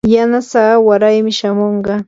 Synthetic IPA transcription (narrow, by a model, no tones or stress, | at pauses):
janasaːwaɾajmɪʃamoɴɢɑ